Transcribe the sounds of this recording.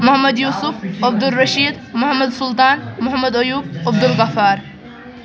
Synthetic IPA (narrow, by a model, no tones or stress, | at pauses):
mʊhmːɐd̪juːsʊfɐb̚d̪ʊrːɐʃiːd̪ | mʊhɐmːɐd̪sʊlt̪aːnmʊɦɐmːɐd̪ɐjuːb̚ɐbd̪ʊlɡɐfaːɾ